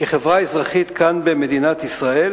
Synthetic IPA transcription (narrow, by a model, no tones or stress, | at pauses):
keχevʁaezʁaχit̪kanbeme̞d̪inat̪isʁael